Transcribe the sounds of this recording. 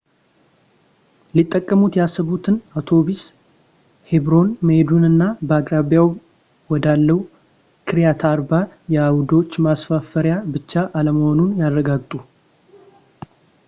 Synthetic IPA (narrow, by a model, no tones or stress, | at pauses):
lit̪ʼːəkʼːəmut̪jasːəβut̪ʰɨnawt̪ʰo̞bis | hebɾo̞nməhed̪unɨnːabəaɡɾaβjaw | wɔd̪alːəwu | kʰɨɾjat̪ʰaɾbajɛawd̪o̞t͡ʃːmasfafəɾjabɨt͡ʃːaʔaləməho̞nunjarːəɡaɡt̪ʼu